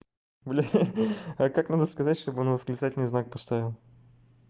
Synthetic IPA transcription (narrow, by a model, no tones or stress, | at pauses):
blʲɪ | əkaknad̪əskɐzatʲʂt̪obɨonvəzɡlʲɪsatʲɪlnjznak̚pɐst̪avʲɪlˠ